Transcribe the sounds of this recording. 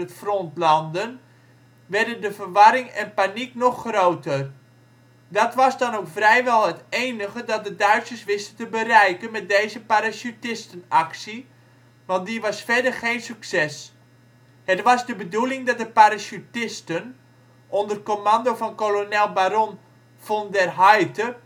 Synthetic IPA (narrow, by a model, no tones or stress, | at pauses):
ətfrontlɑndən | ʋɛrdəndəfərʋɑɾɪŋɛnpaniknɔxːrowtər | dɔtʋɑsdɔnowkfrɛjʋɛlˠɦətejnəɣədɑt̚dədœɥtsərsʋɪstətəbərɛjkənmɛt̚dejzəpaɾasutɪstənaksi | ʋɑnt̚diʋɑsfɛrdərχejnsyksɛs | hətʋɑzdəbədulɪŋdɔt̚dəpaɾasutɪstən | ʔondərkomandofɑnkolonɛlˠbaɾon | fondɛrɦajtə